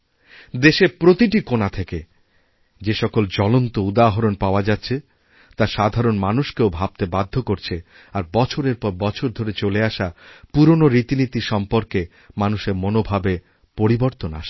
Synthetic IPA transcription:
d̪eʃepɾot̪iʈikonat̪ʰeke | d͡ʑeʃɔkold͡ʑɔlont̪oud̪aɦoɾonpaoad͡ʑat̪ːɕʰe | t̪aʃad̪ʱaɾonmanuʃkeobʱab̚t̪ebad̪ʱːokoɾt͡ɕʰe | aɾbɔt͡ɕʰoɾeɾpɔɾbɔt͡ɕʰoɾd̪ʱoɾet͡ɕoleaʃapuɾonoɾit̪init̪iʃɔmpoɾke | manuʃeɾmonobʱabe | poɾiboɾt̪ona̰ʃ

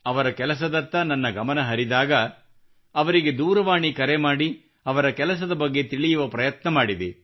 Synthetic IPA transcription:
ɐʋɐɾɐkɛlɐs̬ɐd̪ɐt̪ːɐnɐnːɐɡɐmɐnɐɦɐɾid̪aːɡɐː | ʋɐɾiɡe̞d̪uːɾɐʋaːɳikɐɾemaːɽi | ɐʋɐɾɐkɛlɐs̬ɐd̪ɐbɐɡːe̞t̪iɭijuʋɐpɾɐjɐt̪nɐmaːɽid̪e

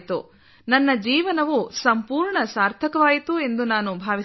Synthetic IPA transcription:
t̪ṵ | nɐnːɐd͡ʒiːʋɐnɐʋusɐmpuːɾɳɐsaːɾt̪ʰɐkɐʋaːjit̪ue̞nd̪unaːnubʱaːʋi

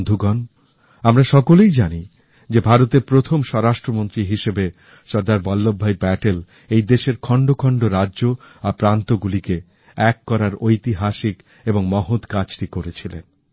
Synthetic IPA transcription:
d̪ʱuɡɔn | amɾaʃɔkolejd͡ʑani | d͡ʑebʱaɾot̪eɾpɾot̪ʰomʃɔɾaʃʈɾomont̪ɾiɦiʃebe | ʃɔɾd̪aɾbɔlːobʱːajbɛʈel | ejd̪eʃeɾkʰɔɳɖokʰɔɳɖoɾadːʑo | apɾant̪oɡulike | ɛkːɔɾaɾojt̪iɦaʃik | eboŋmɔɦot̪kat͡ɕʈikoɾet͡ɕʰilḛn

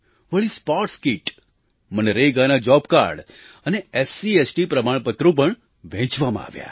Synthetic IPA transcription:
ʋəɭispɔʈskiʈ | məneɾeɡanad͡ʒɔbka̰ɾɖəneesiesʈipɾəmaɳ̃pət̪ɾõp̬əɳ | ʋɛ̃t͡ʃʋamã̰a̰ʋja̰

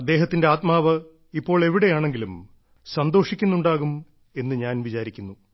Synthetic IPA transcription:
ɐd̪ːe̞ːɦɐt̪ːinde̞aːt̪̚maːʋɐ | ipːo̞ːɭe̞ʋiɽe̞jaːɳe̞ŋɡilum | sɐnd̪oːʂikʲːunːuɳɖaːɣum | e̞nːɨɲaːnʋit͡ɕaːɾikʲːunːu

